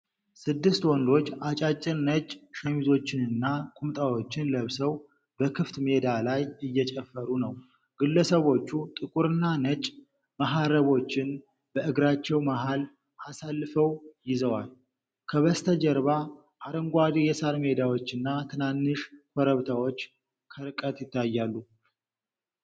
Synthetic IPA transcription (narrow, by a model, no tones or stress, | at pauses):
sɨd̪ːɨst̪wɔnd̪o̞t͡ʃːat͡ʃʼat͡ʃʼːɪɾnət͡ʃʼʃɛmizo̞t͡ʃːɪnɨnːakʼumt̪ʼawo̞t͡ʃːɪnləβsəw | bəkʰɨft̪me̞d̪alajɨjːɛt͡ʃʼɛfːəɾunəw | ɡ̥ɨlːəsəβo̞t͡ʃːut̪ʼɨkʼuɾɨnːanət͡ʃʼ | maɦaɾəβo̞t͡ʃːɪn | b̥əʔɨɡɾat͡ʃːɛwmaɦal | ʔasalːɨfəwjɪzəwal | kʰəβəst̪ʰəd͡ʒɛɾβa | ʔaɾəŋɡʷad̪jɛsaɾme̞d̪awo̞t͡ʃːɨnːat̪ʰɨnanːɨʃkʰʷɔɾəβt̪ʰawo̞t͡ʃː | kʰəɾɨkʼət̪jɪt̪ʰːajːalːu